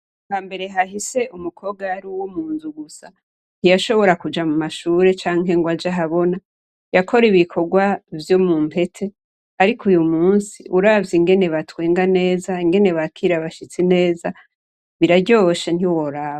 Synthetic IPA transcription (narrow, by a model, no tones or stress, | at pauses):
kaːmbe̞ɾe̞ɦaɦise̞ʔumukʰo̞ːb̚ɡaaɾiwomuːnzuɡusa | n̥hijaʃo̞βo̞ɾakud͡ʒamumaʃuːɾe̞t͡ʃaːŋɦe̞ŋɡwad͡ʒaɦaβo̞na | jakʰo̞ɾiβikʰo̞ɡwavjo̞muːmpʰe̞tʰe̞ | aɾikʰujumuːnsḭʔuɾavjiŋɡe̞ne̞βatweːŋɡane̞ːzaiŋɡe̞ne̞βakʰiɾaβaʃit͡sine̞ːza | βiɾaɟo̞ʃen̥iwo̞ɾaːβa